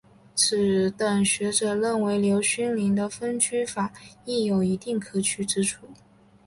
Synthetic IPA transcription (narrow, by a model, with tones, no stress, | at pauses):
t͡sʰɹ̩˨˩t̪ə˨˩nɕɥɛ˧˥ʈ͡ʂɤ˨˩ɻə˥˩nwe˧˥ɪljo˧˥ʊɕy˥nli˧˥ŋd̪ə˧fə˥nt͡ɕʰy˥fa˨˩˦i˥˩jo˨˩ʊi˧˥t̪i˥˩ŋkʰɤ˨˩t͡ɕʰy˥˩ʈ͡ʂɻ̩˥ʈ͡ʂʰu˥˩